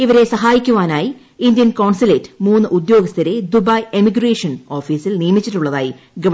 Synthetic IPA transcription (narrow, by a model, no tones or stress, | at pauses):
iʋɐɾe̞sɐɦaːjikʲːuʋaːnaːji | ind̪jɐnkoːɳsɐleːtːɨ̥muːnːɨʔud̪jo̞ːɡɐst̪ʰɐɾe̞d̪ubɐjemiɡreːʂɐno̞ːfiːsilniːɐmit͡ɕːiʈːuɭːɐða̰ːji | ɡɐ